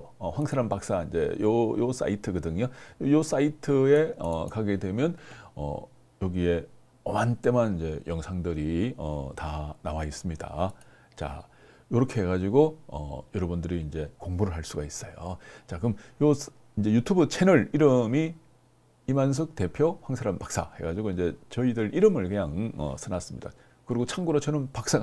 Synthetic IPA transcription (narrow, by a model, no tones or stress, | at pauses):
ʌɸwaŋsʰeɾanpak̚s͈aind͡ʑe̞̰jojos͈a̰itʰɯkɯdɯŋojojos͈aitʰɯe̞ʌ̰kaɡedwe̞mjʌnʌ̰ | jʌɡie̞ | ʌmant͈e̞manind͡ʑe̞jʌŋsʰaŋdɯɾiʌ̰tanawais͈ɯmɲida̰ | t͡ɕa̰ | joɾʌkʰe̞ɦeɡad͡ʑiɡoʌ̰jʌɾʌbundɯɾiːnd͡ʑe̞koŋbuɾɯɭɦaɭs͈uɡais͈ʌjot͡ɕakɯmjos | ind͡ʑe̞jutʰubɯt͡ɕʰe̞nɯɾiɾɯmi | imans̬ʰɯk̚te̞pʰjoɸaŋsʰaɾanpak̚s͈a̰he̞ɡad͡ʑiɡoind͡ʑe̞t͡ɕʌidɯɾʔiɾɯmɯɭkɯɲaŋʌ̰sʰɯnas͈ɯmɲḭd̥a̰ | kɯɾiɡot͡ɕʰaŋɡuɾot͡ɕʰʌnɯnpak̚s͈aŋ